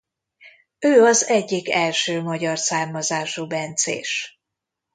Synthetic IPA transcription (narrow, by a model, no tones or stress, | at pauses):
øːɒzɛɟːikɛlʃøːmɒɟɒrsaːrmɒzaːʃubɛnt̪sḛːʃ